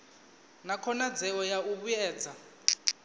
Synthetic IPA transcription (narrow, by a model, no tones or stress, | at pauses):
nakʰɔnad͡zɛɔjauβujɛ̥ːd͡zʱa